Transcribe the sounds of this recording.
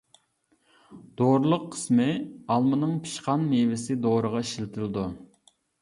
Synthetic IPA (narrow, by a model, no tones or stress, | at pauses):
d̪̥oɾlˠəqʰːə̥smɪɑlˠmɨnɨŋpʰi̥ʃqɑnmevɪsɪd̪oɾəʁɑiʃilt̪ʰɪld̪u